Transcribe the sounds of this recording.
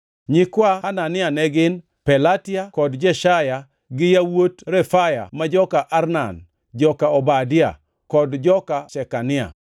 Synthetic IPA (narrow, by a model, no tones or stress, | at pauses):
ɲɪkwahananɪanɛɡɪn | pɛlatɪakɔdd͡ʒɛʃaja | ɡɪjawotɾɛfaja̰mad͡ʒɔkaʔaɾna̰n | d͡ʒɔkaɔbadɪa̰ | kɔdd͡ʒɔkasɛkanɪa̰